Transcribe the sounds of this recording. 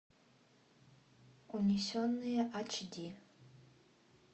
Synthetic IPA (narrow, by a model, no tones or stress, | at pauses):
kʷʼonʲisionːɨjɛʔat͡ʃʰdi